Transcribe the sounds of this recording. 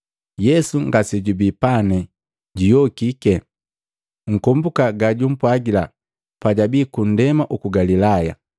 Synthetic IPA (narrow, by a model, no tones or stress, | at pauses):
jɛsuŋɡasɛɟubipanɛ | ɟijɔkikɛ | ŋ̩kɔmbukaɡaɟum̩pwaɡila | paɟabikun̩dɛmaʔukuɡalilaja̰